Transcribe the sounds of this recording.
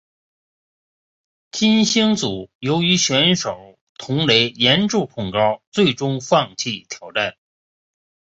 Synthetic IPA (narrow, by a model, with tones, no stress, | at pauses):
t͡ɕi˥nɕi˥ŋt͡su˨˩˦jo˧˥ʊy˧˥ɕɥɛ˧˥nʂo˨˩ʊ | tt̪ʰʊ˧˥ŋle˧˥ɪjɛ˧˥nʈ͡ʂu˥˧pʰʊ˥˩ŋkɑ˥ʊt͡swe˥˩ɪʈ͡ʂʊ˥ŋfɑ˥˧ŋt͡ɕʰi˥˩t̪ʰjɑ˧˥ʊʈ͡ʂa˥˩n